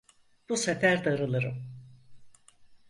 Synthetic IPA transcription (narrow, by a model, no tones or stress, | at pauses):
b̥usefæɾd̪aɾɯlˠɯɾɯ̰m